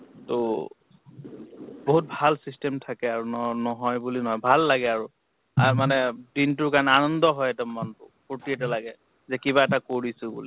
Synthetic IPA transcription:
to | boɦut̚bʱalsistɛmtʰakɛaɹunɔnɔɦɔjbulinɔɦɔjbʱalːaɡɛaɹu | amanɛdintʊkanɛanɔndɔɦɔjɛtɛmantʊ | potiɛtɛlaɡɛ | zɛkibaɛtakoɹisʊbṵli

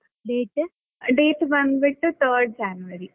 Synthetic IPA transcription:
leːʈː | ɖeːʈʋɐnʋiʈːɨt̪ʰəːɾɖ̚d͡ʑaːnuʋɐɾi

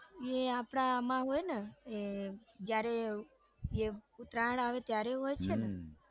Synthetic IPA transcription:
eapɽ̃aːmãɦojneed͡ʒjaɾe | eut̪ɾaɽaʋet̪jaɾeɦojt͡ʃʰene

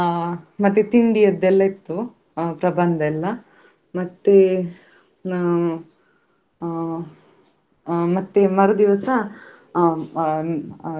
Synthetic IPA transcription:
mɐt̪ːet̪iɳɖijɐd̪ːɛlːɐit̪ːu | pɾɐbɐnd̪ʱɐɛlːɐ | mɐt̪ːe | mɐt̪ːemɐɾud̪iʋɐsɐ

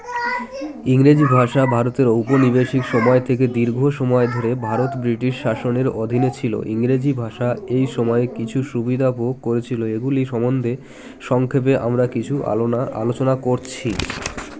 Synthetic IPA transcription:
iŋɾed͡ʑibʱaʃabʱaɾot̪eɾowponibeʃikʃɔmɔet̪ʰek̬ed̪iɾɡʱoʃɔmɔed̪ʱoɾebʱaɾot̪bɾiʈiʃːaʃoneɾod̪ʱinet͡ɕʰilo̰ʔiŋɾed͡ʑibʱaʃaejʃɔmɔekit͡ɕʰuʃubid̪ʱapoɡ̚koɾet͡ɕʰiloeɡuliʃɔmond̪ʱe | ʃɔŋkʰep̬eʔa̰mɾakit͡ɕʰua̰a̰lot͡ɕonakoɾt͡ɕʰi

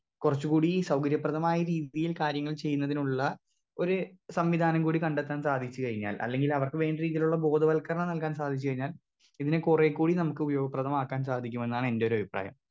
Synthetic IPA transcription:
kurɐt͡ɕːukuːɽisɐwkɐɾjɐpːrɐðɐmaːjɐɾiːðijilkaːɾjɐŋːɐɭt͡ɕe̞jːunːɐðinuɭːɐ | o̞ɾusɐmʋid̪ʱaːnɐmkuːɽikɐɳɖet̪ːaːnsaːd̪ʱit͡ɕːukɐɻiɲːa̰ːlʔɐ̰lːe̞ŋɡilɐʋɐrkɨʋe̞ːɳdeɾiːðiluɭːɐbo̞ːd̪ʱɐʋɐlkɐrɳɐnɐlkaːnsaːd̪ʱit͡ɕːukɐɻiɲːaːl | iðinekurekːuːɽinɐmukːɨubɐjo̞ːɡɐprɐðɐmaːkːaːnsaːd̪ʱik̬ʲːume̞nːaːɳɨe̞nde̞oɾuɐbʱipra̰ːjɐ̰m

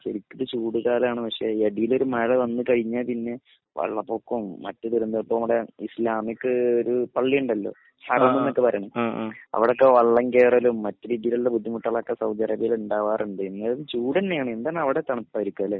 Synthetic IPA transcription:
ɕeɾikʲːɐðɨt͡ɕuːɽuɣaːlaːɳɨpɐkʂe̞eɽijilo̞ɾumɐɐɭɐʋɐnːɨkɐɻiɲːaːlpinːe̞ | ʋɐ̰ɭːɐpːoːkːumːɐ̰tːɐðiɾund̪ɐɐpːoːɐmuɽeislaːmikːɨoɾupɐɭːijuɳɖɐlːo̞̰ː | sɐɾɐmːenːokːepɐɾɐːɳɐmɐ̰ʋiɽo̞kːeʋɐɭːɐŋkeːrɐlumːɐtːɨɾid̪ilulːebud̪ʱːimuʈːɐɭɐkːesɐwd̪ɐrɐbijiluɳɖaːʋaːruɳɖɨenːɐnt͡ɕuːɽɐnːejaːɳɨend̪aːnːɐʋiɽet̪ɐɳɐpːaːɐɾikʲːɐle

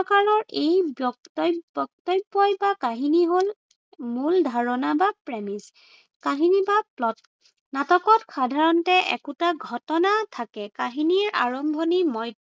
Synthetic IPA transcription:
ɔkaɹɔɹejbjɔktbɔk̚tɔjbɔjbakaɦiniɦol | muldʱaɹɔnabapɹɛmis | kaɦinibaplɔt̚ | natɔkɔtxʰadʱaɹɔntɛʔɛ̰kutaɡʱɔtɔnatʰakɛkaɦiniɹa̰ɹɔmbʱɔnimɔj

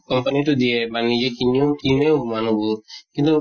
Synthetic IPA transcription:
kɔmpəniʈud̪iebanːid͡ʒekiɲɔkimeumanubukĩnt̪u

